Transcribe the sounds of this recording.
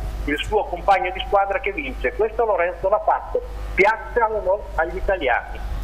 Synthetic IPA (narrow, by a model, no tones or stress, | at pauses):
ilsuːokompaɲːod̪iskwaːd̪ɾakevːint͡ʃekwest̪oloɾɛnt̪solapat̪ːo | pjat̪sːalolɔ | aʎːit̪alja̰ːni